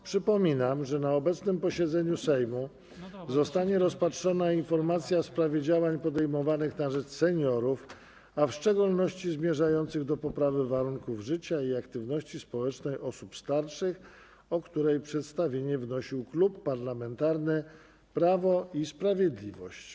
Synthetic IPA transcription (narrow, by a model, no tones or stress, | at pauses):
pʂɘpɔmʲinamʐɛnaɔbɛt̪snɘmpɔɕɛd̪zɛɲusɛjmu | zɔst̪aɲɛɾɔspatʂɔnainfɔɾmat̪sʲjafspɾavʲjed͡ʑawaɲpɔd̪ɛjmɔvanɘxnaʐɛt͡ʂsɛɲɔɾuf | afʂt͡ʂɛɡulnɔɕt͡ɕizmʲjɛʐajɔnt̪sɘɣd̪ɔpɔpɾavɘvaɾuŋkuvʐɘt͡ɕaiakt̪ɘvnɔɕt͡ɕispɔwɛt͡ʂnɛjʔɔsupst̪aɾʂɘx | ɔkt̪uɾɛjpʂɛt̪st̪avʲjeɲɛvnɔɕiwklupːaɾlamɛnt̪aɾnɘ | pɾavɔispɾavʲjed̪lʲivɔ̰ɕt͡ɕ